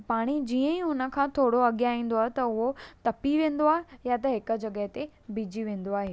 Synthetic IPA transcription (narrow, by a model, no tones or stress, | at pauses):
paːɽ̃id͡ʑiːə̃iɦʊnə̆kʰãːt̪ʰoːɽoɐɠjaːĩːn̆d̪oaːɦet̪ɐʊɦot̪ɐpiʋẽːn̆d̪oaːɦejat̪ɐɦɪkə̆d͡ʑɐɠəɦɪt̪e | bid͡ʑiʋẽːn̆d̪oaːɦeː